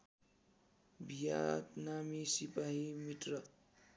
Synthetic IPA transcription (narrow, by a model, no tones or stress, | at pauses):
bʱija̰t̪namisipaɦimiʈ̪rʌ